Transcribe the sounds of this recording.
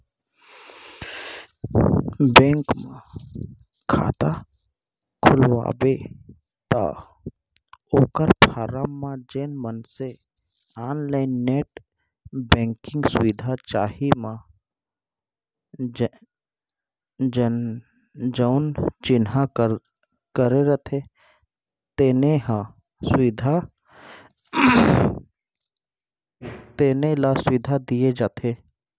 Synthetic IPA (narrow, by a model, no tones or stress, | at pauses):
bẽːŋkmã | kʰa̰ːt̪a | kʰʊlʋa̰ːbe | t̪a̰ | oːkəɾpʰaːɾamːãd͡ʒeːnmənse | aːnlaɪnːeːʈ | bɛ̃ːŋkɪ̃ŋɡsʊʋɪd̪ʱat͡ʃaːɦimã | d͡ʒəʊnt͡ʃɪnɦa | kəɾeɾət̪ʰe | t̪eːneɦã | swɪd̪ʱa | t̪eːnelasʊɪd̪ʱad̪ied͡ʒaːt̪ʰe